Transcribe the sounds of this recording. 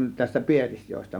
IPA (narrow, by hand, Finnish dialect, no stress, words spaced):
tæstæ pielisjoestɑ